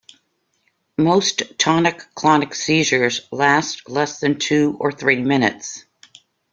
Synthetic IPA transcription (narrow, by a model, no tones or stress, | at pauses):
moʊsttʰɑnɨkʰːl̥ɑnɨksizə˞zlæstlɛsðɨ̃ntʰʉə˞θɹimɪ̃nɨ̰ts